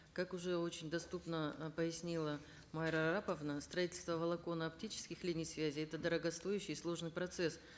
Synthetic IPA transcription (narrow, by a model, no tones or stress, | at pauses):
kakʊʐɛo̞t͡ɕɪnʲd̪ɐst̪upnəpəjɪsʲnʲilˠə | maɾɐɾapəvnəst̪ɾɐitʲɪlʲst̪vəvəlˠɐko̞nəɐp̚tʲit͡ɕɪ̥skʲɪxlʲinʲɪjsvʲæzʲɪjɛt̪əd̪əɾəɡɐst̪o̞jʉɕːɪjslˠo̞ʐnɨjpɾɐt̪sɛs